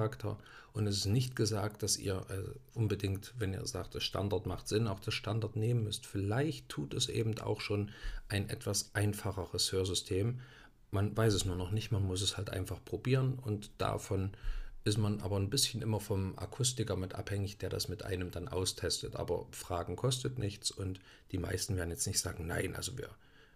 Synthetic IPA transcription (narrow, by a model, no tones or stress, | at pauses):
aktʰɐ̰ | ʔʊntɛsɪstnɪçtɡ̥əzaːk̚t̚d̥asʔḭːɐʔɛ̰zʔʊnbədɪŋktvɛnḭːɐza̰ːk̚t̚d̥asʃta̰ndaɐtmaχtz̥ɪnaʊxd̥asʃtandaɐtneːmənmʏstfɪlaɪçtʰːuːtɛsʔḛːbm̩ta̰ʊxʃoːnʔaɪnʔɛ̰tv̥asʔaɪnfaχəʁəshøːɐzʏstʰeːm | manvaɪsɛsnuːɐnɔχnɪçtmanmʊsɛshaltʔa̰ɪnfaχpʁ̥obiːʁənʊntd̥a̰fɔnʔɪstmanʔa̰ːbɐnbɪsçən̩ʔɪmɐfɔmʔa̰kʰʊstɪkɐmɪtʔa̰phɛŋɪçd̥eːɐda̰smɪtʔa̰ɪnəmdanʔa̰ʊstʰɛstətʔa̰ːbɐ̰fʁ̥aːɡŋ̩kʰɔstətnɪçt͡sʊnt | d̥iːma̰ɪstn̩veːɐdn̩jɛt͡stnɪçtz̥aːɡŋ̩na̰ɪnʔa̰lzovḭːɐ